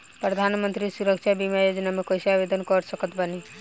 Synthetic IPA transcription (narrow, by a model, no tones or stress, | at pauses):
pɾəd̪ʱanmənt̪ɾisuɾəkʃʰabimjajod͡ʒnamekojseabed̪ənkɔɾsəkət̪bəni